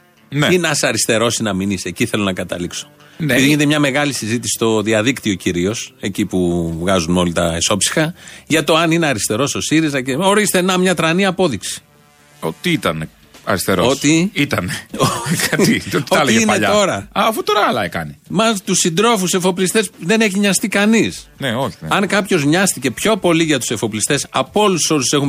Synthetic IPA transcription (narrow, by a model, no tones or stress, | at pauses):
neinɐsɐɾist̪e̞ɾo̞sinɐminiseciθe̞lo̞nɐkɐt̪ɐ̰likso̥ | eepiðiʝineemɲɐme̞ɣɐlisizit̪isi̥st̪o̞ðiɐðikt̪io̞ciɾio̞se̞cipuvɣɐzuno̞lit̪ɐeso̞psi̥xɐʝɐt̪o̞ɐnineɐɾist̪e̞ɾo̞so̞siɾizɐceoɾist̪enɐmɲɐt̪ɾɐniɐpo̞ðiksi̥ | ot̪iit̪ɐne | ɐ̰ɾist̪eɾoot̪iit̪ɐneokɐioioɐleieineʎɐo̞ɾɐɐːfut̪oɾɐɐlɐekɐ̰nimɐt̪usind̪ɾo̞fuse̞fo̞plist̪e̞sðe̞ne̞çiɲɐst̪ikɐnisneo̞çieɐŋkɐpço̞zɲɐst̪ice̞pço̞po̞liʝɐt̪u̥se̞foplist̪e̞sɐpo̞lusso̞usse̞xum